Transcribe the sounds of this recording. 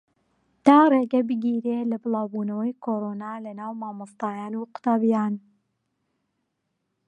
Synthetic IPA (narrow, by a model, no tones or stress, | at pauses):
t̪aːreːɡɐbɨɡiːɾeːlɐbɨlaːwbuːnɐwɐjkʰoːɾoːnaːlɐnaːwmaːmɨst̪aːjaːnuːqʊ̥t̪aːbijaːn